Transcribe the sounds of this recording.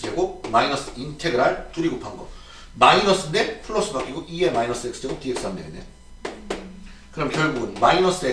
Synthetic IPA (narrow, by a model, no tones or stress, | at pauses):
d͡ʑeɡomainʌs͈ɯ̥intʰe̞ɡɯɾaɭt͈uɾiɡopʰaŋɡʌ | mainʌs͈ɯndepʰɯɭːos͈ɯbak͈iɡoʔiemainʌs͈eks͈ʰɯ̥d͡ʑʰeɡotiek̚s͈amdeɡɯnde | kɯɾʌmkʲjʌɭɡuɡɯnmainʌs͈ɯe